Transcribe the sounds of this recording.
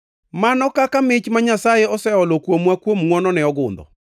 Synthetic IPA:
manɔkakamɪt͡ʃmaɲasajeɔsɛɔlɔkwomwakwomŋwɔnɔnɛɔɡʊ̰nd̪ɔ̰

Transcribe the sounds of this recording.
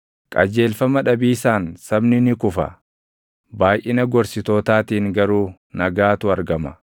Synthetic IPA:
kʼɐ̰d͡ʒe̞ːlfɐmɐᶑɐbiːsaːnsɐbnɪnɪkʊfɐ̰ | baːjʔɪnɐɡɔɾsɪt̪oːt̪aːt̪iːŋɡɐɾuː | nɐɡaːt̪ʊɐɾɡɐmɐ

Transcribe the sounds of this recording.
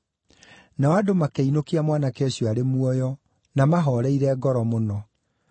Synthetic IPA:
naɔadomakeinokiamwanakɛɕjɔaɾemuɔjɔ | namaɦɔɾɛiɾɛːɡɔɾɔmonɔ

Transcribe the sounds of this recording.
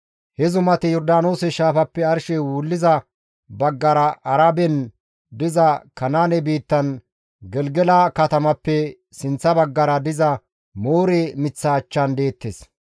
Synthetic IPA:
hɛzʊmɐt̪ɪjɔɾd̪aːno̞ːsɛʃaːfɐpːɛɐɾʃɛwuːlːɪzɐ | bɐɡːɐɾɐʔːɾɐbɛn | d̪ɪzɐkɐnaːnɛbiːt̪ːɐn | ɡɛlɡɛlaːkɐt̪ɐmɐpːɛ | sɪnt͡sːɐbɐɡːɐɾɐd̪ɪzɐ | moːɾemɪt͡sːɐːt͡ʃːɐnd̪e̞ːt̪ːes

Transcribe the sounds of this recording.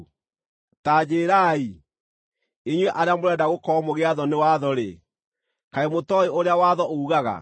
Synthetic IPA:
taːd͡ʑeːɾaːi | eɲwɛʔaɾeamoɾɛːdaɣokɔmoɣeaðɔnewaðɔɾe | kaemotɔeoɾeawaðɔʔouɣaɣa̰

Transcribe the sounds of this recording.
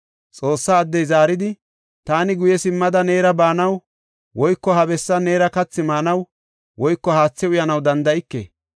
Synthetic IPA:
t͡sʼo̞ːsːaːd̪ːɛjzaːɾɪd̪ɪ | t̪aːnɪɡʊjɛsɪmːɐd̪ɐne̞ːɾɐbaːnɐw | wɔjkːɔhɐbɛsːɐne̞ːɾɐkɐt͡sːɪmaːnɐw | wɔjkːɔhaːt͡sːɛʊjɐnɐwd̪ɐnd̪ɐɪkːḛː

